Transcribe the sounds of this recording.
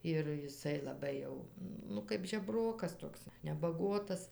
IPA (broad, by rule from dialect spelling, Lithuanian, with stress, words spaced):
ɪr jɪˈsɐɪ lˠɐˈbɐɪ jɛʊ nʊ ˈkɐɪp ʒʲɛˈbroːkɐs ˈtoːks nʲɛbɐˈɡuɔtɐs